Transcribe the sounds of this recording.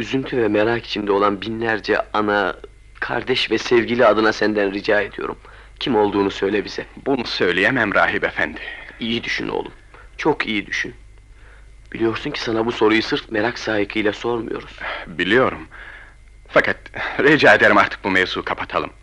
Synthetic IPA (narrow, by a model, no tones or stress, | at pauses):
yzynt̪ʰyvɛmeɾaki̥t͡ʃʰind̪ɛo̞lˠanbinlʲæɾd͡ʒɛ̰ana | kʰa̰ɾd̪ɛʃvɛsɛvɟilʲiad̪ɯnasænd̪ænɾid͡ʒaːe̞d̪ijo̞ɾum | cʰimo̞lˠd̪uːnusø̞jlʲɛbiz̥ɛbunusø̞jlʲijemɛmɾaːɦibefænd̪ɪijid̪yʃy̰no̰lˠṵm | t͡ʃʰo̞kijid̪yʃyn | b̥ilʲijo̞ɾsuncʰi̥sanabuso̞ɾujusɯɾfmeɾaksaːjɯkʰɯjlʲˠaso̞ɾmṵjo̞̰ɾuz̥bilʲijo̞ɾum | fakʰat̪̚ɾid͡ʒaːed̪eɾimaɾt̪ʰɯ̥k̚bumɛvzuːkʰapʰat̪ʰalˠɯm